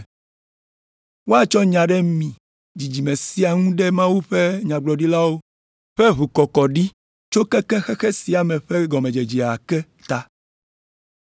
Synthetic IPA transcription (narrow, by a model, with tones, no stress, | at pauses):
wo˦a˨t͡ʃɔ˦ɲã˨ɖɛ˦mĩ˨ | d͡ʑi˨d͡ʑi˨mẽ˨si˦a˨ŋũ˦ɖɛ˦mã˦wu˦ɸe˦ɲã˨ɡ͡blɔ˨ɖi˦la˦wo˦ | ɸɛ˦βu˨kɔ˨kɔ˨ɖi˦ | t͡ʃo˦kɛ˦kɛ˦xɛ˦xɛ˦si˨a˨mɛ˨ɸɛ˦ɡɔ˨mẽ˨d͡ʒe˨d͡ʒi˨a˨kɛ˦ | t̪a˦